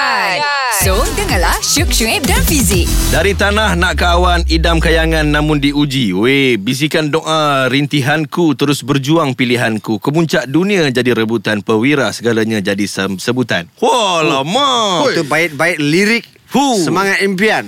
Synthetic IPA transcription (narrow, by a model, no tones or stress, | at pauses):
sodəŋãlaʃukʃuɛp̚danfizɪk̚daɾit̪anahnaʔkːwanidamkajaŋãnːãmʊndiud͡ʒiwebis̬ikandɔʔaɾint̪iɦankut̪əɾʊsbərd͡ʒuaŋpiliɦankukəmuɲt͡ʃaʔdunĩad͡ʒadiɾəbut̪anpəwiɾasəɡalaɲãd͡ʒadisəsəbut̪a̰nwalamat̪ubaɪt̪̚baɪt̪̚liɾɪk̚ | husəmaŋat̪̚impian